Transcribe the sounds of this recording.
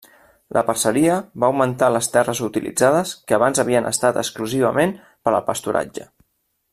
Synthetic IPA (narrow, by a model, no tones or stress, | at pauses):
lʔə̰pərsəɾiəβaəwmənt̪aləst̪ɛrəzut̪ilḭd͡zað̞əskəːβanzəβ̞iənʔə̰st̪at̪əkskluziβ̞əmen | pəɾə̰lˠpəst̪uɾʔa̰d͡ʒə̰